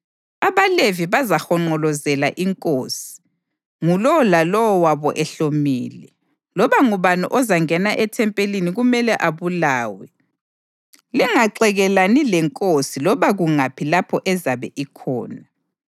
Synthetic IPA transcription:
aβaleviβazaxɔŋ͡ǃɔlɔzɛlaʔiŋkʼoːsi̥ | ŋulɔlalɔwɔwaβɔʔɛɬomiːlɛ | lɔβaŋuβanuʔɔzaŋɛnaʔɛtʰɛmpʼeliniɣumɛlɛʔaβulaːwɛ | lɛŋaǀɛɣɛlanilɛŋkʼosilɔβaɣuŋapʰilapʰɔʔɛzaβɛʔikʰɔ̰ːna

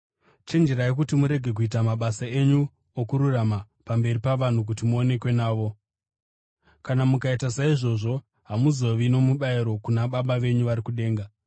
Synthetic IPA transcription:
t͡ʃe̞nd͡ʒe̞ɾajek̬utimuɾe̞ɡʱe̞k̬uitamaɓasae̞ɲu | okuɾurama | pambe̞ɾipaʋan̤uk̬utimuo̞ne̞kwe̞naːʋo̞ | kanamukaitasaiʐo̞ʐo̞ | ɦamuzo̞ʋino̞muɓaiɾo̞kunaɓaɓaʋe̞ɲuʋaɾikuɗe̞ːŋɡa

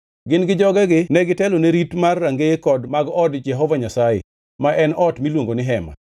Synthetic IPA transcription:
ɡɪnɡɪd͡ʒɔɡɛɡɪnɛɡɪtɛloneɾitmarːaŋɡekɔdmaɡɔdd͡ʒɛɦɔvaɲasajḛ | maʔɛnɔtmilwoŋɡonɪɦɛma̰

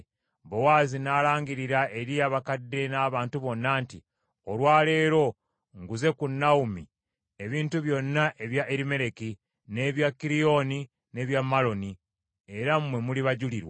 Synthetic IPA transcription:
bowaːzinaːlaːŋɡiɾiɾaʔe̞ɾiaβakadːe̞naːβaːntuβo̞nːaːnti | o̞lwaːle̞ːɾo̞ | ŋɡuze̞kunːaumi | e̞βiːntuβjo̞nːaʔe̞βjaʔeɾime̞ɾe̞ki | ne̞βjakːiɾijo̞ni | ne̞βjamːalo̞ni | e̞ɾamwe̞muliβaɟuliɾwa

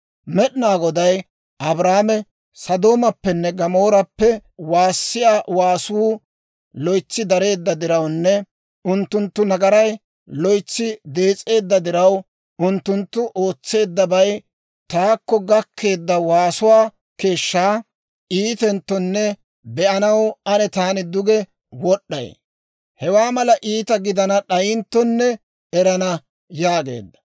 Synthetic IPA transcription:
mɛɗɪnaːɡɔd̪ɐj | ʔɐbɾaːmɛ | sɐd̪o̞ːmɐpːɛnːɛɡɐmo̞ːɾɐpːɛwaːsːɪjaːwaːsuː | lɔjt͡sːɪd̪ɐɾe̞ːd̪ːɐd̪ɪɾɐwnːɛ | ʊnt̪ːʊnt̪ːʊnɐɡɐɾɐj | lɔjt͡sːɪd̪e̞ːt͡sʼːe̞ːd̪ːɐd̪ɪɾɐw | ʊnt̪ːʊnt̪ːʊʔo̞ːt͡sːe̞ːd̪ːɐbɐj | t̪aːkːɔɡɐkʰːe̞ːd̪ːɐwaːsʊwaː | ke̞ːʃːaː | iːt̪ɛnt̪ːɔnːɛ | bɛʔɐnɐwɐnɛt̪aːnɪd̪ʊɡɛ | wɔɗːɐ̰j | hɛwaːmɐlɐʔiːt̪ɐɡɪd̪ɐnɐɗɐjɪnt̪ːɔnːɛ | ɛɾɐnɐ | jaːɡe̞̰ːd̪ːɐ̥

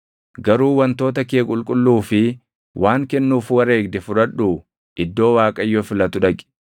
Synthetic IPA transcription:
ɡɐɾuːwɐnt̪o̞ːt̪ɐkeːkʼʊlkʼʊlːuːfɪ | wʔaːŋkɛnːuːfwɐɾe̞ːɡ̚d̪ɛfʊɾɐᶑuː | ʔɪd̪ːo̞ːwaːkʼɐjːoːfɪlɐt̪ʊᶑɐkʼɪ̥

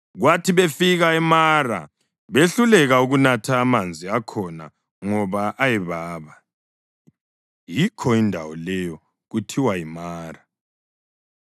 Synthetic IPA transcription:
ɣwatʰiβefiɣaɛmara̰ | βeɬulɛɣauɣunatʰaːmand͡zʱiakʰɔna̰ | ŋɔβaʔːjɛβaːβa | jikʰɔindʱawɔlɛjɔ | ɣutʰiwaimaːra

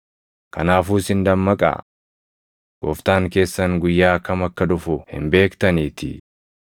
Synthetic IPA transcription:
kɐnaːfuːsɪnd̪ɐmːɐkʼa̰ | ɡ̥ɔ̰ːft̪aːŋke̞ːsːɐŋɡʊjːaːkɐmɐkːɐd̪ʊfʊhɪ̰mbe̞ːkt̪ɐniːt̪ɪ̰

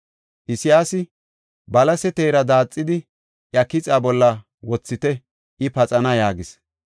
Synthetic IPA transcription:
ʔɪsɪjaːsɪ | bɐlɐsɛt̪eːɾɐd̪aːt͡sʼːɪd̪ɪ | ʔjɐkɪt͡sʼaːbɔlːɐ | wɔt͡sːɪt̪ɛ | ʔɪpɐt͡sʼɐnɐjaːɡɪs

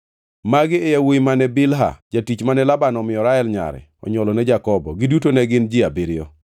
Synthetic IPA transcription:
maɡɪejawoimanɛbɪlɦa̰d͡ʒatit͡ʃmanɛlabanɔmɪɔɾaɛlɲa̰ɾɛ̰ | ɔ̰ɲɔlɔnɛd͡ʒakɔbɔ̰ɡɪdutonɛɡɪnd͡ʒɪabiɾɪɔ

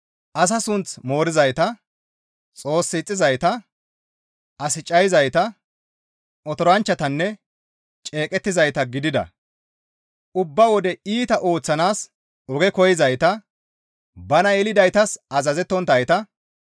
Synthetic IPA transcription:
ʔɐs̬ɐsʊnt͡smo̞ːɾɪzɐjt̪ɐ | t͡sʼo̞ːsːɪt͡sʼːɪzɐjt̪ɐ | ɐsɪt͡ʃʼːɐjɪzɐjt̪ɐ | ɔt̪ɔɾɐnt͡ʃːɐt̪ɐnːɛ | t͡ʃʼe̞ːkʼɛt̪ːɪzɐjt̪ɐɡɪd̪ɪd̪ɐ̰ | ʊbːɐwɔd̪ɛiːt̪ɐʔoːt͡sːɐnaːs | ɔɡɛkɔjɪzɐjt̪ɐ | bɐnɐɛlɪd̪ɐjt̪ɐsɐzɐzɛt̪ːɔnt̪ɐjt̪ɐ

